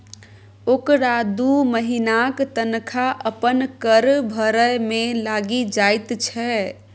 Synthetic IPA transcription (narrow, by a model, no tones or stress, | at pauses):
okɾad̪uməɦinakt̪ənkʰaʔəpənkəɾbʱəɾəjmẽlaɡid͡ʒajt̪t͡ʃʰɛ